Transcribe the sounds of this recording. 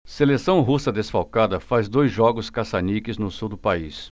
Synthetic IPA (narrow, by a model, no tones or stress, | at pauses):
selesɐ̃w̃ɦusɐd̪esfawkad̪ɐfazd̪ojzʒɔɡʊskasanikɪznʊsuwd̪ʊpais